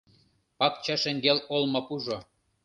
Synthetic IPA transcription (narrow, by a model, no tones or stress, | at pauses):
pɑk̚t͡ɕɑʃĕŋɡelolmopuʒo